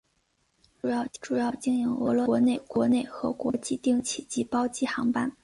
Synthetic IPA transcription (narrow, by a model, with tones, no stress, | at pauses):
ʈ͡ʂu˨˩jɑ˥˧ʊʈ͡ʂu˨˩jɑ˥˩ʊt͡ɕi˥ŋi˧˥ŋɤ̰˧˥lwɔ˧˥˧ne˥˩ɪkwɔ˧˥ne˥˩ɪxɤ˧˥kwɔ˧˥t͡ɕi˥˧t̪i˥˩ŋt͡ɕʰi˨˩t͡ɕi˧˥pɑ˥ʊt͡ɕi˥˩xɑ˧˥ŋpa˥˩˧n